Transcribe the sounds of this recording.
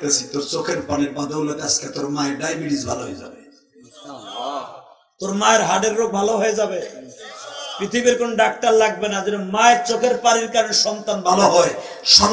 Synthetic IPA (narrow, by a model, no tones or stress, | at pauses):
kasʰit̪oɾt͡ɕokʰeɾpaneɾbad̪ʱolot̪asket̪oɾmaeɖajbiɽizbʱa̰loɦo̰jed͡ʑa̰be | t̪oɾmaeɾɦaɖeɾːok̚bʱaloɦoed͡ʑabe | pɾit̪ʰibiɾkonoɖak̚ʈaɾlaɡ̚benad͡ʑeɾamaeɾt͡ɕokʰeɾpaɾiɾkaɾoneɾʃɔnt̪anbʱaloɦɔe | ʃɔ